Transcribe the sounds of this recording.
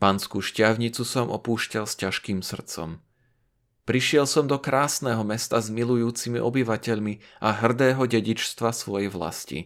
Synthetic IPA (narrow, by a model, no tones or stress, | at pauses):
paːnskuːʃcɪaʊɲit͡susɔmʔɔ̰puːʃcalscaʃkiːmsr̩t͡sɔ̰m | pɾiʃɪɛlsɔmd̪ɔkɾaːsnɛːɦɔmɛst̪azmilujuːt͡simiʔɔbiʋacɛʎmiʔaɦr̩d̪ɛːɦɔɟɛɟit͡ʃst̪ʋasʋɔjɛjʋla̰scḭ